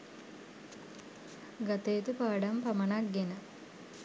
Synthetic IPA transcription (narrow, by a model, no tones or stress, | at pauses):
ɡat̪ejːt̪upaːɖampamənak̚ɡenə